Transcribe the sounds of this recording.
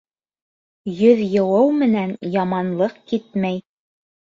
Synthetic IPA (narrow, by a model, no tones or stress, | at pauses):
jɵðjɤ̆wɤwmɘ̆nænjɑmɑnlˠɤqkit̪mæj